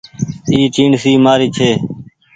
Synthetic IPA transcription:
iːt͡ʃiːɳsiːmaːɾiːt͡ʃʰeː

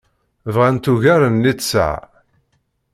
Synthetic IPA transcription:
vʁant̪uʝæɾənːisə̰ʕ

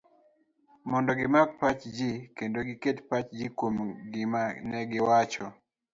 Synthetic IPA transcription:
mɔndɔɡɪmak̚pat͡ʃd͡ʒikendoɡɪketpat͡ʃd͡ʒikwomɡɪmanɛɡɪwat͡ʃɔ

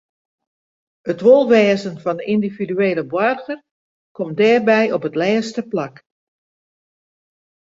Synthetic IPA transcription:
ətʋolˠʋɛːzənfɔndəʔindividyeːləbwɔrχər | kʰɔm̚dɛːrbɛjopətlɛːstəplak

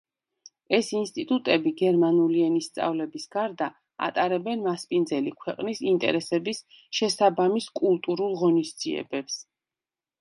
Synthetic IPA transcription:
ɛsinst̪ʼit̪ʼut̪ʼɛbiɡɛɾmanuliɛnist̪sʼa̰vlɛbisɡ̥aɾd̪a | a̰t̪ʼaɾɛbɛnmaspʼind̪zɛlikʰwɛqʼnisint̪ʼɛ̰ɾɛsɛbis | ʃɛsabamiskʼulˠt̪ʼuɾulˠʁɔnisd̪z̥ḭɛ̰bɛps

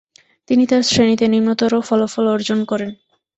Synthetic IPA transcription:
t̪init̪aɾsɾenit̪eniɾmot̪oɾofɔlofɔlɔɾd͡ʑonkɔɾen

